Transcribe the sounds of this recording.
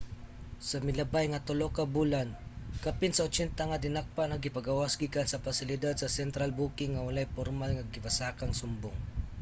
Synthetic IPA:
sɐmɪlɐbajŋat̪ʊlokabulankapɪnsaʊt͡ʃɛnt̪aŋad̪ɪnak̚paʔnɐɡɪpaɡawasɡikansɐpasɪlɪd̪ad̪̚sɐsɛnt̪ɾalbuːkɪŋːɐwalajpɔɾmalŋaɡɪpasaːkaŋsʊmbʊŋ

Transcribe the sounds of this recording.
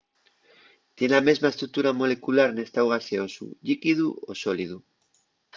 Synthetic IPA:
t̪jenamezmaest̪ɾuk̚t̪uɾamo̞lekulaɾnest̪awɣaseosṵʎikiðuosoliðu

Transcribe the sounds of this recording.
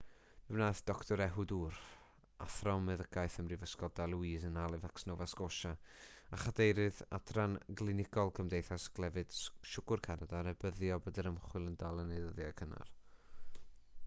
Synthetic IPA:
vɛwnaːθd̥ɔktʰɔɾɛɦʊduːɾ | a̰θrɔmɛðəɡʰajθəmrivəskɔdalˠwiːzənalˠɪvaksnoːvaskoʃaaχadejɾɨða̰dranɡlˠɪnɪɡɔlˠkʰəmdejθasɡ̥lˠɛvɨd̥ʃʊɡ̥ʊrkʰanadaɾɛbəðjɔbədɛɾəmχwɪlˠəndalˠənejðəðjakʰəna̰r

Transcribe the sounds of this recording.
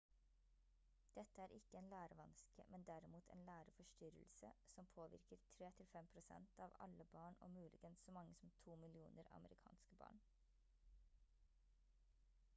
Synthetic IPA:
d̪̥ɛt̪əæːɾʔɪkəeːnlæːɾəʋɑnskə̰mʔɛnd̪æɾɪmuːt̪ʰḛːnlæːɾəfɔʃʈʏɾəlsə̰sɔmpʰoːʋɪ̰ɾkəɾt̪ʰɾeːt̪ʰɪlfɛmpʰɾʊsɛ̰nt̪ɑːʋɑ̰ləbɑːɳo̰ːmʉːlʔɪɡənssoːmɑŋːəsɔmt̪ʰuːmɪlɪuːnəɾɑ̰məɾɪkʰɑ̰ːnskəbɑ̰ːɳ

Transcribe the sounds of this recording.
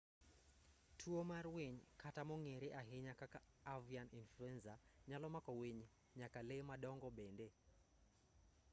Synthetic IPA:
tʰuomarweɲkʰatamɔŋeɾeʔaɦɪɲakaka | avianinfluɛnzaɲalɔmakɔweɲ | ɲakalemaɗɔŋɡɔbende

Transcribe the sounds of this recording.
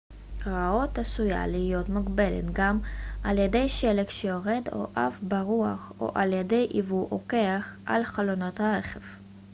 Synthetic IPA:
ʁao̞tasuja̰liijo̞tmaɡbelḛtɡamʔaljede̞jʃelekʃejoʁe̞do̰ʔavbaʁuaχo̞̰ʔaljede̞jʔivuʔoke̞aχʔa̰lχalono̞thaʁe̞χev

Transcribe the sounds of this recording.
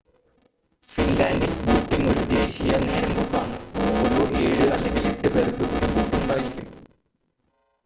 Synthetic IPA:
finlaːndilbuːʈːiŋo̞ɾud̪e̞ːɕijɐne̞ːɾɐmbukːaːɳɨoːɾoːʔe̞ːɻɨɐlːeŋɡileʈːɨbeːrkːɨoɾubuːʈːiuɳɖaːjiɾikʲːum

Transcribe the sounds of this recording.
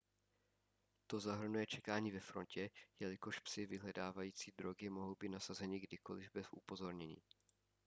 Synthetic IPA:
t̪o̞zaɦr̩nujɛt͡ʃɛkaːɲiːvɛfɾo̞ncɛjɛlɪko̞ʃpsɪvɪɦlɛdaːvajiːt͡siːd̪ɾo̞ɡɪmoɦowbiːt̪nasazɛɲɪɡdɪko̞̰lɪvbɛzʔupo̞zo̞ɾɲɛɲḭː

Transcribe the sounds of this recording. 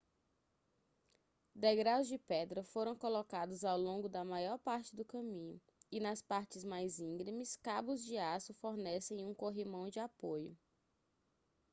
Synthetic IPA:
d̪ɛɡɾaʊzd͡ʒɪpɛd̪ɾɐfoɾɐ̃w̃kolɔkad̪ʊzawlõŋɡʊd̪ɐmajɔɾpaɾt͡ʃɪd̪ʊkɐ̃mĩɲʊ̰ | ɪnɐspaɾt͡ʃɪzmajzĩɡɾimɪskabʊzd͡ʒɪasʊfoɾnɛsẽj̃ũkoɦimɐ̃w̃d͡ʒɪapojʊ

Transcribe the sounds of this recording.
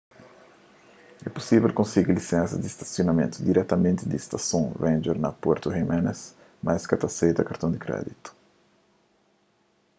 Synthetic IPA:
ɛpu̥sivɛlkõnsiɡilisɛ̃nsɐ̰d̪ist̪ɐ̥sjonɐmḛ̃nt̪ud̪iɾɛt̪ɐmẽnt̪ɪd̪ist̪ɐsõvẽnd͡ʒɛɾnapɛɾt̪uhimɛnɛs | majskɐt̪ɐsejd̪ɐkɐɾt̪õd̪ikɾɛ̰d̪it̪u̥

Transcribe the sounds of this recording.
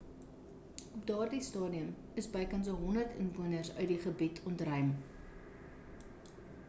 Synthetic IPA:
ɔpdɑːrdistɑːdiəm | əsbəjkɐns̬əɦɔndərtə̰nvuənərsœ̰ɥtdiχəbitʰɔntrœɥm

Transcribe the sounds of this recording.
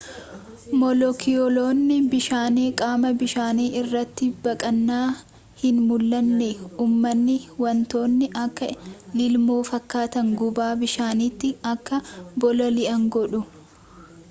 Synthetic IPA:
mɔlɔkʰɪɔlo̞ːnːɪbɪʃaːneːkʼaːmɐbɪʃaːniːʔɪrːɐt̪ːɪbɐkʼɐnːaː | hɪnmʊlːɐnːeuːmːɐnːɪwɐnt̪o̞ːnːɪʔɐkːɐlɪlmo̞ːfɐkːaːt̪ɐŋɡʊbaːbɪʃaːniːt̪ːɪɐkːɐbɔlɐlɪʔɐŋɡɔᶑʊ

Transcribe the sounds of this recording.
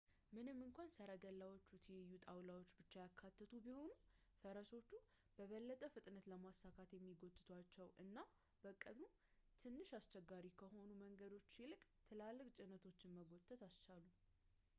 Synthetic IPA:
mɨnɨmːɨŋkʷansəɾəɡəlːawo̞t͡ʃːut̪ʰijɛjːut̪ʼawlawo̞t͡ʃːbɨt͡ʃːajakʰːat̪ːɨt̪ʰubiho̞nufəɾəso̞t͡ʃːu | b̥əβəlːət̪ʼəfɨt̪ʼnət̪ləmasːakʰat̪jɛmːiɡo̞t̪ʼːɨt̪ʰwat͡ʃːɛwɨnːa | b̥əkʼːəd̪mu | t̪ʰɨnːɨʃast͡ʃɛɡːaɾikʰəho̞numəŋɡəd̪o̞t͡ʃːsilɨkʼt̪ʰɨlalːɨkʼt͡ʃʼɪnət̪ʰot͡ʃːɪnməɡo̞t̪ʼːət̪ast͡ʃalu

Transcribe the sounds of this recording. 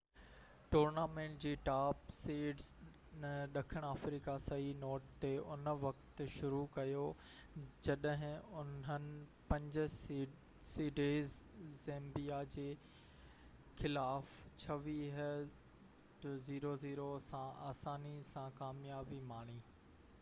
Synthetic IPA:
ʈoːɾnaːmẽːɳʈ̚d͡ʑiːʈaːpseːɖz | nɗɐkʰəɽ̃aːfɾiːkasɐɦinoːʈt̪eʊnʋɐkt̪ʃʊɾukɐjo | d͡ʑɐɗɦɪ̃ʊnənɪ̆pɐ̃ɲd͡ʑʊ | siːɖeːzẽːmbijad͡ʑeː | xɪlaːft͡ɕʰɐʋiɦ | ʈziːɾoziːɾosãaːsaːnisãkaːmjaːbimaːɽ̃iː

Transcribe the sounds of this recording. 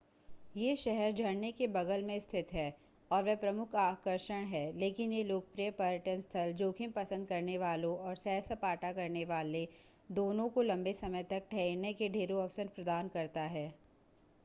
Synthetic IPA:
jeːʃɛɦɛɾd͡ʒɐɽnekebɐɡəlmẽst̪ʰɪt̪ɦɛː | ɔːɾʋɛpɾɐmʊkʰaːkəɾʃəɽ̃ɦɛːleːkɪnjeloːkəpɾijəpɐɾəʈənst̪ʰəld͡ʒoːkʰɪ̃mpɐsə̃nd̪̚kɐɾneʋaːlõʔɔːɾsɛːsəpaːʈakɐɾneʋaːle | d̪oːnõkolɐ̃mbesɐməjt̪ɐk̚ʈʰɛnekeɖʱeːɾoɐfsəɾpɾɐd̪aːnkɐɾt̪aɦɛː

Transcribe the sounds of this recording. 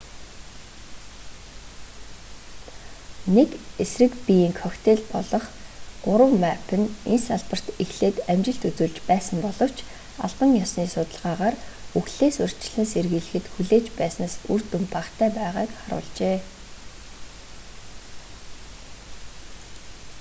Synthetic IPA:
nekesrɘ̆kpijiːŋkʰɔxt̪ʰeɮpɔɮɞ̆χɢ̥ʊɾə̆wmapʰɘ̆nensaɮpə̆r̥t̪exɮeːt̪æmt͡ɕɪ̆ɬt̪ut͡sŭɮt͡ɕpæːsə̆mpɔɮɞ̆w̥t͡ɕʰ | a̰ɮpə̆ŋjɔsniːsʊt̪ə̆ɮʁaːʁaːruxɮeːsʊr̥t͡ɕɪ̆ɮɘ̆nserɣiːɮɘ̆xɘ̆t̪xuɮeːt͡ɕpæːsnaːsur̥t̪umt̪aχt̪ʰæːpæːʁaːkχaɾʊ̰ːɮt͡ɕeː

